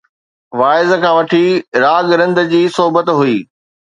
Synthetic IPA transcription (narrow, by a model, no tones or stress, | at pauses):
ʋaːɪzkʰãːʋɐʈʰiɾaːɡɾɐ̃nd̪d͡ʑiːsoɦbət̪ɦuiː